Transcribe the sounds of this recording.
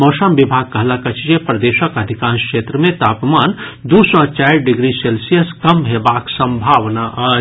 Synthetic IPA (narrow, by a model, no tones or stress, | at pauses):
moːsəmbibʱaɡ̚kəɦlakət͡ʃʰd͡ʒepɾəd̪eːʃəkəd̪ʱikãːnskʂet̪ɾəmẽt̪aːpmand̪usɔt͡ʃajɾɖɪɡɾiselsijəskəmɦebaksə̃mbʱaʋnaʔə